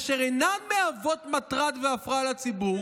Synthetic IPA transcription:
aʃeʁenanmeavo̞tmatʁad̪veafʁalat͡sibuʁ

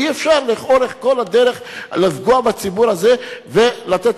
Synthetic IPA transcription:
iefʃaʁliχo̞ɾeχko̞lad̪eɾeχlizɡuabat͡sibuɾazevelat̪et̪

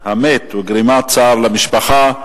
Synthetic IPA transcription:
hamet̪weɡɾimat͡saːɾlamiʃpaχa

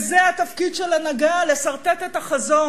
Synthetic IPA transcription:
zeat̪afkid̪ʃelanaɡale̞saʁt̪et̪et̪aχazo̞

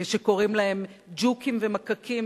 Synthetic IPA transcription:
ʃeko̞ʁimlae̞md͡ʒukimvemakakʰim

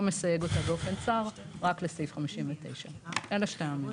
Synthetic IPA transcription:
mesaje̞ɡo̞t̪abeofe̞nt͡saʁʁaklesijfχamiʃimvet̪e̞̰jʃaʔelaʃtejami

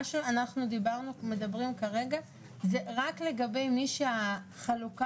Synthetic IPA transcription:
ʃeanaχnud̪ibaʁnume̞d̪abʁimkaʁe̞ɡa | zeʁakle̞ɡabe̞jmiʃea | χaluka

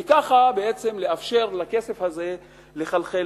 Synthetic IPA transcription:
ekaχabeet͡se̞mleafʃe̞ʁlake̞se̞fhaze̞ | le̞χalχe

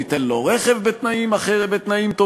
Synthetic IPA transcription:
it̪enloʁeχevbet̪naimaχebet̪naimt̪o

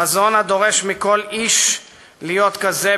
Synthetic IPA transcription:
azo̞nad̪o̞ʁe̞ʃmiko̞liʃ | lijo̞t̪kaze

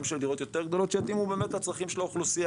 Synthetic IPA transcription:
mʃeld̪iʁo̞t̪jot̪e̞ʁɡd̪o̞lo̞t̪t͡ʃeat̪imube̞ːmet̪hat͡sʁaχimʃeloχlusi

